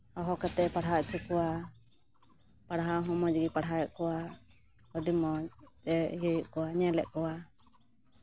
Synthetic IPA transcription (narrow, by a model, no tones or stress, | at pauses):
hɔɦɔkat̪ɛpaɽɦaʔt͡ʃukɔwa | paɽɦaɦɔmɔd͡ʒɡipaɽɦaɛʔkɔwa | ɔɖimɔt̪ɛjəjɔʔkɔwaɲɛlɛʔkɔwa